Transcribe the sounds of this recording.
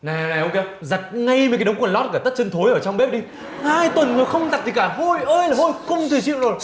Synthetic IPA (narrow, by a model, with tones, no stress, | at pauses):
na˨˩˨na˨˩ʔo˧ke˧ | za˨˩t̚ŋa˧jm˨˩ka˨˦ɗə˨˦wŋ͡mkːnlɔ˦˥t̚kaː˧˩t̪ə˦˥t̚t͡ɕə˧nt̪ʰo˨˦jʔəː˧˩t͡ɕɔ˧wŋ͡mɓe˦˥p̚ɗi˧ | haː˧jt̪wə˨˩nŋɨ˨˩əjxə˧wŋ͡mza˨˩t̪i˨˩kaː˧˩ɦo˧jʔəː˧jlaː˨˩ɦo˧jkʊ˧ŋ͡mt̪ʰɨ˨˩t͡ɕḭ˧˨wzo˨˩j